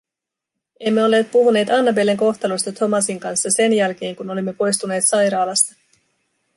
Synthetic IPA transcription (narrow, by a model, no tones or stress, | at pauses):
e̞mːe̞o̞lːe̞ːt̪̚puɦune̞ːt̪ɑnːɑbe̞lːe̞ŋko̞xt̪ɑlost̪ɑt̪ʰo̞mɑsiŋkɑnsːɑse̞njælk̟e̞ːŋkuno̞limːe̞po̞jst̪une̞ːt̪sɑjɾɑːlɑst̪ɑ